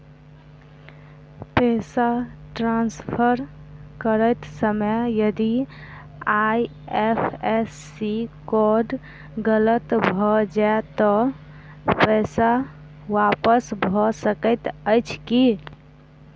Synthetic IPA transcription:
pɛːsaʈɾãnspʰəɾkəɾəɪt̪səməjəd̪i | aj | epʰesːikɔɾɖ | ɡələt̪bʱɔd͡ʒaet̪ɔ | pɛsa | ʋapəsbʱɔsəkəɪt̪əɪt͡ʃʰki

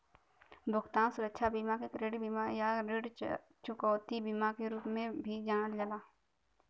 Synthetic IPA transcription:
bʱʊɡt̪aːnsʊɾəkʃʰabimakekɾeːɽibimajaɾeɽ | t͡ʃʊkɔːt̪ibiːmakeɾuːpmẽbʱid͡ʒaːnəld͡ʒəlaː

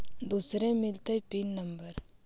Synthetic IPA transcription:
d̪usɾẽmɪlt̪epinːɐmbəɾ

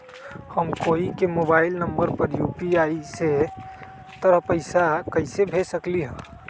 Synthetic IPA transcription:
həmkoːikemoːbaːɪlnəmbəɾpəɾjuːpiaːise | t̪əɾəɦpəɪsakɐɪsebʱesəkliɦɛ̃ː

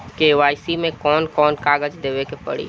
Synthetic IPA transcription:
keʋaːjsimẽkɔːnkɔːnkaːɡəd͡ʒd̪eːʋekepɐ̰ɽḭː

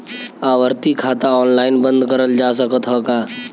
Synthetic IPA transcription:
aːʋəɾt̪ikʰaːt̪aɔːnlaːɪnbə̃nd̪kəɾəld͡ʒaːsəkət̪ɦɔkaː

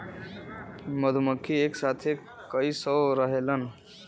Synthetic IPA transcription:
məd̪ʱuməkʰːieksat̪ʰe | kəisəɾəɦelən

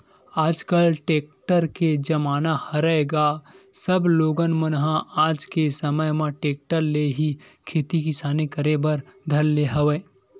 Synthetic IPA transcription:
aːd͡ʒkəlʈeːk̚ʈəɾked͡ʒɐmaːnahɐɾəeɡasəbloːɡənmənɦãaːd͡ʒkesəməjmãʈeːk̚ʈəɾleɦi | kʰeːt̪ikisaːnekəɾebəɾd̪ʱɐlːeɦɐʋeː

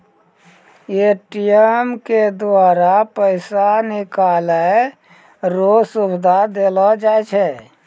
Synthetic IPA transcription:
eʈijəmked̪aːɾapəɪsanɪkalə | ɾosubd̪ʱad̪elɔd͡ʒaɛt͡ʃʰɛ

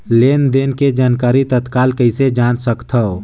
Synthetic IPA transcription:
lend̪eːnked͡ʒaːnkaːɾit̪ət̪kaːlkəɪsed͡ʒaːnsəkt̪ʰə

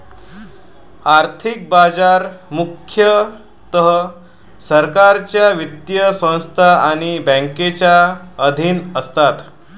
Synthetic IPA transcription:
aɾt̪ʰik̚bad͡zaɾmukʰjə | t̪əɦə | səɾkaɾt͡ɕjaʋit̪jəsə̃w̃st̪ʰaaɽ̃ibə̃ŋket͡ɕjaəd̪ʱiːnəst̪at̪

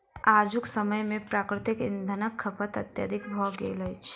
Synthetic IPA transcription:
aːd͡ʒʊksəməjmẽpɾaːkɾɪt̪ɪkɪ̰̃nd̪ʱənəkʰːɐpət̪ɐt̪ja̰d̪ʱɪkbʱɔɡḛːləjt͡ʃʰ

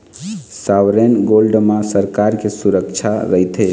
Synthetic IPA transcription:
sawɾenɡolɖmãsəɾkaɾkesuɾəkt͡ʃʰaɾəɦjt̪ʰe

